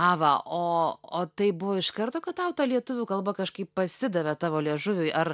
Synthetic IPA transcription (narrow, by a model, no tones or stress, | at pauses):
ɑʋɐʔoːoːt̪ɐɪbʊʋoːɪʃkɐrt̪oːkɐt̪̚t̪ɐʊt̪ɑːlʲiɛt̪ʊʋʲuːkɐlˠbɐkɐʃkɐɪppɐsʲɪd̪ɐʋʲɛt̪ɑːʋoːlʲiɛʒʊʋʲʊjʔɐr